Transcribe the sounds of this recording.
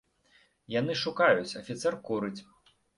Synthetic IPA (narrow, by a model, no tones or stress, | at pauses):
janɨʂukajut͡sʲɐfʲit̪sɛrkuɾɨt͡sʲ